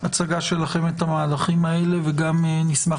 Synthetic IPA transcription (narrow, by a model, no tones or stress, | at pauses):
at͡saɡaʃe̞laχe̞me̞t̪amaːlaχimae̞le̞veɡamnisma